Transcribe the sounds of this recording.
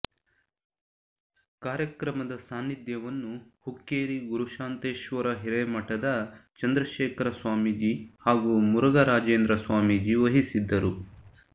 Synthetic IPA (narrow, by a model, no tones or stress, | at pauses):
kaːɾjɐkɾɐmɐd̪ɐsaːnːid̪jɐʋɐnːuhukːeːɾiɡuɾuʃaːnt̪eːʃʋɐɾɐɦiɾɐmɐʈɐd̪ɐt͡ʃɐnd̪ɾɐʃeːkʰɐɾɐsʋaːmid͡ʒihaːɡumuɾɐɡɐɾaːd͡ʒeːnd̪ɾɐsʋaːmid͡ʒiʋɐɦisid̪ːɐɾu